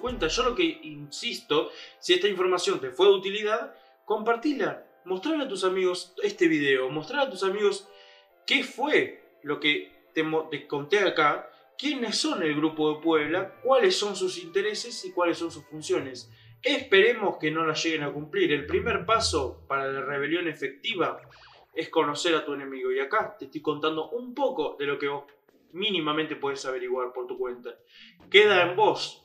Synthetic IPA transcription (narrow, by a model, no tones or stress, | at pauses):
kwe̞nt̪aʒ̥o̞lo̞ke̞insist̪o̞siest̪aiɱfo̞ɾmasjo̞nt̪e̞fwe̞ðut̪iliðað | ko̞mpaɾt̪ila | mo̞st̪ɾaɾlat̪usamiɣ̞o̞sest̪e̞β̞ið̞e̞omo̞st̪ɾaɾlat̪usamiɣo̞s | ke̞fwe | lo̞ke | t̪emot̪eko̞nt̪e̞aka | kje̞ne̞sːo̞nelɣɾupo̞ðe̞pweβ̞lakwale̞sːo̞nsusint̪e̞ɾe̞se̞sikwalesːonsusfunsjo̞ne̞s | ehpe̞ɾe̞mo̞ske̞no̞laʒe̞ɣenakumpliɾe̞lpɾimeɾpaso̞paɾalareβ̞e̞ljo̞ne̞fe̞k̚t̪iβ̞a | e̞sko̞no̞seɾat̪uene̞miɣo̞jakat̪eht̪iko̞nt̪and̪o̞ʔumpo̞koðe̞lo̞ke̞βo̞s | minimament̪e̞pwe̞ðesaβ̞e̞ɾiɣwaɾpo̞ɾt̪ukwe̞nt̪a | keð̞aembo̞s